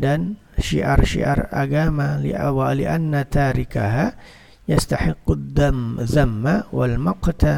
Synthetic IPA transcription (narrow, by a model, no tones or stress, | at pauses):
dan | ʃḭʔarʃḭʔa̰rˤa̰ɡamalwaliʔanːat̪aːɾɪkaɦa | jast̪aħɪqːʊd̪ːamzamːawalmaqt̪a